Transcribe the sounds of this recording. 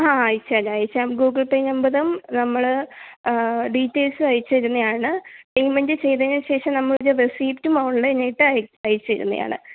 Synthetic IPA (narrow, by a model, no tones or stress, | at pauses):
aːjit͡ɕːalːeːjit͡ɕːamɡuːɡɐɭpeːnembɐðumnɐmːɐɭ | ɖiːtːeːlsɨɐjit͡ɕːɐiɾunːɐjaːɳɨiŋɡmendɨt͡ɕe̞jt̪ɐniɕe̞ːʂɐmnɐmːɐɭderesiːptʲumouɳlɐenːejiʈːɨɐjɐjit͡ɕːɐjɾunːɐ̰ja̰ːɳɨ̰